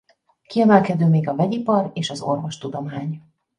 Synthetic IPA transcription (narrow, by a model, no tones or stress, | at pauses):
kiɛmɛlkɛd̪øːmeːɡɒvɛɟipɒɾeːʃɒzo̞̰rvo̞ʃt̪ud̪o̞maːɲ